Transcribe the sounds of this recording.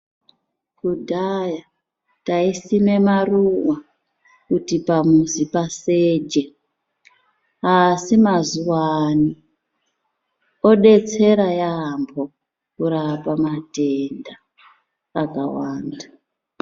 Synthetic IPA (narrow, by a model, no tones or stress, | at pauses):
kudʱaja | taisime̞maruwa | kutipamuzipaseːd͡ʒe | asimazuwani | o̞ɗe̞t͡se̞ɾajambʱo̞ | kuɾapamatendaː | ka̰waːnda